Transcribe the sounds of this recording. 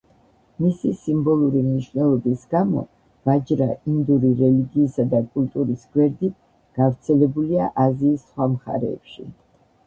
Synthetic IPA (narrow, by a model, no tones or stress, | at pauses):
misisimbɔlˠuɾimniʃwnɛlˠɔbisɡamɔ̰ | v̥ad͡ʒɾaind̪uɾiɾɛliɡiːsad̪akʼult̪ʼuɾisɡwɛɾd̪it̪̚ʰ | ɡ̥avɾt̪sʰɛlɛbuliaʔaziːsːχwamχa̰ɾɛ̰ːpʃḭ